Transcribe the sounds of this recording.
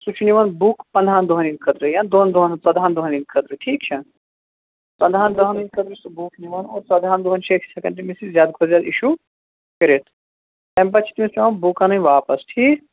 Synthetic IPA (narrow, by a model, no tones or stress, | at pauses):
sut͡ʃʰniʋɐnbukpɐ̃nd̪ʱaːnd̪oɦɐninʲkʰɐd̪ɾɨjand̪oːnd̪oɦɐnsɐd̪ʱaːnd̪oɦɐnilʲkʰɐd̪ɾɨʈʰiːkt͡ʃʰɐ | sɐnd̪ʱaːnd̪ɐɦɐninʲkʰɐd̪ɾɨsbukʰniʋɐnoːɾsɐd̪ʱaːnd̪oɦɐnt͡ʃʰekʰsɐkɐ̃ɳʈimisizʲjaːd̪kʰozjaːd̪iʃu | kəɾet̪ʰ | t̪ɐmp̬ɐt͡ʃʰi̥t̪mesniʋɐnbukanɨnʲʋaːpɐsʈʰiː